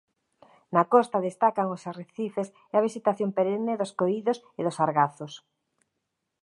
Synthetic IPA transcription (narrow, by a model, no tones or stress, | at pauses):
nakɔst̪aðest̪akaŋosareθifes | ɛaβ̞isit̪aθjompeɾeneðoskoiðos | eðʊsaɾɣaθʊs